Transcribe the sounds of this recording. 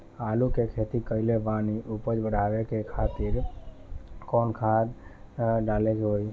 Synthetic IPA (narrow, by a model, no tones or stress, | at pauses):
aːlũkekʰet̪ikəileʋãniʔupəd͡ʒbəɽʱaʋekekʰat̪iɾ | konkʰad̪ɖaːled͡ʒɦoj